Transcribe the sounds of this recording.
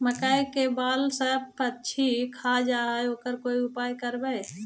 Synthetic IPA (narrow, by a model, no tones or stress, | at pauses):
məkaikebaːlsəbətːt͡ʃʰikʰad͡ʒaɦoːkəɾkoːiʊpaːjkəɾbə